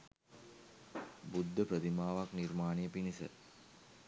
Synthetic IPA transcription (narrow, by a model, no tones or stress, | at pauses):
bud̪ʱːəpɾət̪imaːʋakniɾmaːnijəpinisə̰